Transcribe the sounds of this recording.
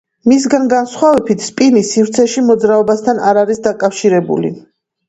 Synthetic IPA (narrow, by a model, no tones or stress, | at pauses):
mis̬ɡanɡansχwavɛbit̪ʰspʼinisifɾt̪sʰɛʃimɔd̪zɾaɔbast̪ʰanaɾaɾisd̪akʼafʃiɾɛbṵlḭ